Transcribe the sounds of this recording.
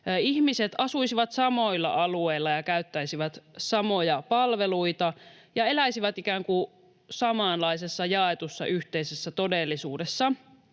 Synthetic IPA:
ihmiset̪ɑsuisiʋɑt̪sɑmo̞ilːɑ̰ʔɑlueilːɑjɑkæyt̪ːæisiʋæt̪sɑmo̞jɑpɑlʋe̞luit̪ɑ | jɑe̞læisiʋæt̪ikæːŋku | sɑmɑːnlɑisesːɑjɑet̪usːɑ̰ʔyht̪eisesːæt̪o̞delːisuːdesːɑ

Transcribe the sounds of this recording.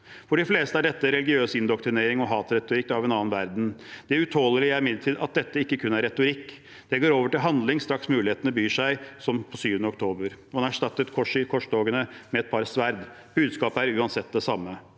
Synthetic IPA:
fɔɖɪfleːst̪əæɖɛt̪ːəɾɛlɪɡɪøːsɪnd̪ɔkt̪ɾɪneːɾɪŋɔɦɑːt̪ɾɛt̪ʊɾɪkːɑʋɛnɑːnʋæɾd̪n̩d̪̥ɛʉt̪ʰhoːləlɪæɾɪmɪd̪əʈ̪ʰiːd̪ʔɑ̰t̪̚d̪ɛt̪ːəɪkːəkʰʉnːæɾɛt̪ʊɾɪkː | d̪̥ɛɡoːɾoːʋəʈɪlɦɑnd̪lɪŋst̪ɾɑksmʉːlɪeːt̪ənəbyːʂæɪsɔmpʰɔsyːʋənəɔk̚t̪ʰoːbəɾmɑnæʂʈɑt̪ːət̪kʰɔʂɪkʰɔʂd̪oːɡənəmɛɛt̪̚pʰɑɾsʋæɾd̪ | b̥ʉːd̪skɑːpəæɾʉːɑnsɛt̪̚ːd̪ɛsɑmːə

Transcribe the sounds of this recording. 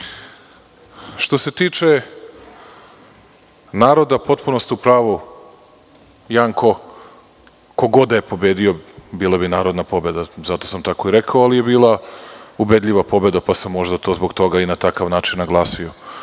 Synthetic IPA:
ʃt̪o̞se̞t̪iːt͡ʂe̞ | naːɾo̞d̪apo̞t̪punost̪iupɾaːʋu | jaŋkʰo̞ | ko̞ɡo̞d̪ajepo̞beːd̪io̞biːlˠabinaːɾo̞d̪napo̞be̞d̪azat̪o̞samt̪ako̞iɾekaoalijebiːlˠaube̞d̪ʎʲiʋapo̞be̞d̪apasemːo̞ʒd̪at̪o̞zbo̞ɡt̪o̞ɡainat̪akaʋnaːt͡ʃinnaɡlˠaːsio

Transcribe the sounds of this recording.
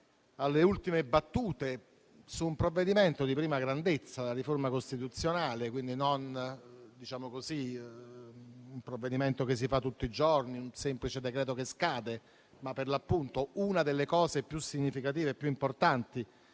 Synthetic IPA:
alːeult̪imebat̪ːuːt̪e | suːmpɾovːed̪iment̪od̪ipɾiːmaɡɾand̪et̪sːad̪elaɾiformakost̪it̪ut̪sːjonaːlekwind̪inond̪it͡ʃaːmokozi | umpɾovːed̪iment̪okes̬ːifat̪ːut̪ːid͡ʒorniunsemplit͡ʃed̪ekɾɛːt̪okeskaːd̪e | mapːerlapːunt̪ounad̪elːekɔːsepjusiɲːifikat̪̬iːveːpːjuimport̪ant̪i

